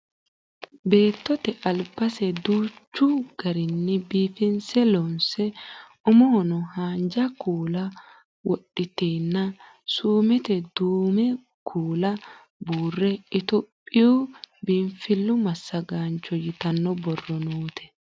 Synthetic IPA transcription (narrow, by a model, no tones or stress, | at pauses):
be̞ːt̪ːɔt̪ɛʔɐlpːɐsɛd̪uːt͡ʃːʊɡ̥ɐɾɪnːɪbiːfɪnsɛlɔnsɛ | ʊmoːnɔhaːnd͡ʒɐkʰuːlɐ | wɔɗɪt̪eːnːɐ | suːmɛt̪ɛd̪uːmɛ | kʰuːlɐ | buːrːɛɪt̪ɔpʼːɪjuːbɪmfɪlːʊmɐsːɐɡaːnt͡ʃːɔjɪt̪ɐnːɔbɔrːɔnuːt̪ʰɛ̥